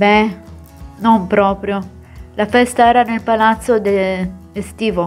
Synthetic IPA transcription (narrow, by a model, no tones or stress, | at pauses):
bɛ | nompɾɔːpɾjo | lafɛst̪aɛːɾanelpalat̪sːod̪eest̪iːvo